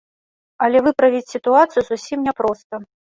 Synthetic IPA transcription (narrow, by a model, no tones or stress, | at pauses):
ɐlʲɛvɨpɾɐvʲit͡sʲsʲit̪uat̪sɨjuzusʲimnʲɛpɾɔst̪ɐ